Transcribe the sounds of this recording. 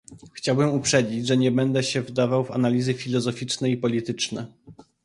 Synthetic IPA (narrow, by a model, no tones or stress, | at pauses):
xt͡ɕawbɘmupʂɛd͡ʑid͡ʑʐɛɲɛbɛnd̪ɛɕɛvd̪avawva̰nalʲizɘfʲilɔzɔfʲit͡ʂnɛipɔlʲit̪ɘt͡ʂnɛ̰